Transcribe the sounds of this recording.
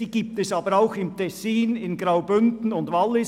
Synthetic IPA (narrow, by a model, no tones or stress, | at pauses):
iːɡ̥iːp̚tɛsɑːbəɾaʊxɪmtʰɛsiːnɪnɡʁaʊbʏndn̩ʊndvalːɪs